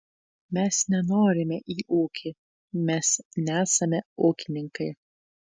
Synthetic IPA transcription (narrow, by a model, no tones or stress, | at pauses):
mʲɛsnʲɛnoːɾʲɪmʲɛʔiːʔuːkʲʰi | mʲɛsnʲæːsɐmʲɛuːkʲɪnʲɪŋkɐɪ